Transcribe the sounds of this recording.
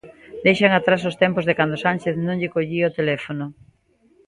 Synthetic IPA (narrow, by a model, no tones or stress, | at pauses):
d̪ejʃaŋat̪ɾas̬ost̪ɛmpozðekand̪osanʲʃeθnõŋʎɪkoʎiot̪elɛfonʊ